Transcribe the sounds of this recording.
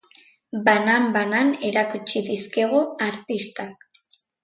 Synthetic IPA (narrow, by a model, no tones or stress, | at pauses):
banambanane̞ɾakut͡ʃiðiske̞ɣ̞oaɾt̪ist̪ak